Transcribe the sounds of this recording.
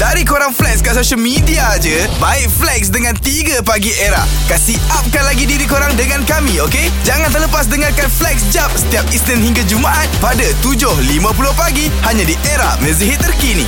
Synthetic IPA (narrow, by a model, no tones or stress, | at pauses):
d̥aɾikoɾaŋflɛkskasoʃəlmĩdiad͡ʒə | baɪʔ̚flɛk̚sdəŋãnt̪iɡəpaɡiʔeɾaʔ | kasiʔap̚kanlaɡidiɾikoɾaŋdəŋãnkamĩoke | d͡ʒaŋant̪ərləpas̬dəŋarkanflɛk̚sd͡ʒap̚sə̥t̪iap̚islənhiŋɡad͡ʒumaʔat̪̚padat̪ud͡ʒʊhlimãpulʊhpaɡi | haɲãdiʔeɾahmə̃ziɦɪt̪̚ːərkinḭ̃